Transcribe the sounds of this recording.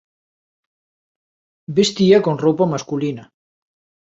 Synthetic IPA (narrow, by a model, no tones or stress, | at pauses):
best̪iakonrowpamaskulina